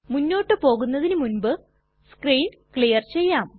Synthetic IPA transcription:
munːo̞ːʈːɨpo̞ːɣunːɐðinɨmunbɨ | skriːn | kɭijɐrt͡ɕe̞jːaːm

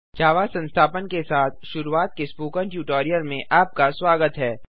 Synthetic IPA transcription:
t͡ʃaːʋasɐ̃nst̪ʰaːpənkesaːt̪̚ʰʃʊɾuaːt̪̚kespuːkə̃ɳʈjuːʈoːɾijəlmẽʔaːp̚kaswaːɡət̪ɦɛː

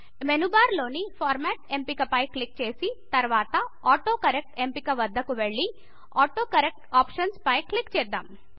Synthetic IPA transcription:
menubaːɾloːnipʰaːɾmɛːʈempikɐpɐjkɭik̚t͡ʃeːsit̪ɐɾʋaːt̪ɐaːʈoːkɐɾek̚ʈempikɐʋɐd̪ʱːɐkuʋeɭːi | aːʈoːkɐɾek̚ʈaːpʃɐnspɐjkɭikt͡ʃeːd̪aːm

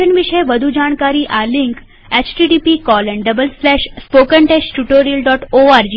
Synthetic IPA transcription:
ənʋiʂəjʋəd̪ʱud͡ʑaɳ̃kaɾiːʔaliŋk | ɛt͡ɕʈiɖipikɔlɛɳɖəbəlslɛɕspokəɳʈɛsʈuʈoɾijəlɖɔʈoaɾd͡ʑiː

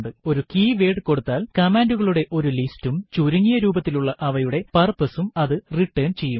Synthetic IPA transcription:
ɳɖɨo̞ɾukiːʋe̞ːɽɨko̞ɽut̪ːaːlkɐmaːnduɣɐɭuɽe̞ʔo̞ɾulistumt͡ɕuɾuŋːijɐɾuːbɐt̪ːiluɭːɐʔɐʋɐjuɽe̞pɐrpɐsumɐðɨriʈːeːnt͡ɕe̞jːum

